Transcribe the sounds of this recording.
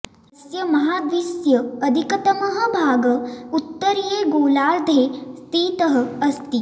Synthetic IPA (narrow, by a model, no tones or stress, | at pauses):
ɐsjɐmɐɦaːd̪ʋisjɐɐd̪ʱikɐt̪ɐmɐɦə̆bʱaːɡɐut̪ːəɾjeːɡoːlaːɾd̪ʱeːst̪iːt̪ɐɦɐ̆ɐst̪i